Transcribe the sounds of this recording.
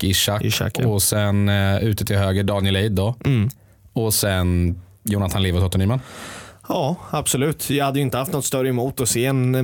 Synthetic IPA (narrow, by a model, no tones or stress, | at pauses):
ɪʂaʔa̰kɔsɛnʉ̟ːt̪ət̪ʰɪlhøːɡəɖɑːnjɛlejd̪ːɔ | ɔsɛn | juːnat̪ʰanleːvəɾsat̪ʊnyːmən | ɑːab̥sɔlʉ̟ːt̪jɑhad̪ːəjʏɪnt̪əhaft̪nɔt̪st̪œɾːəɛmuːt̪ɔseːɛn